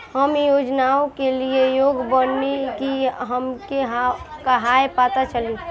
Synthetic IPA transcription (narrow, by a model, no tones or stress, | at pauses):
həmjoːd͡ʒnaõkeliejoːɡbənekiɦəmkeɦakaɦaepat̪at͡ʃəli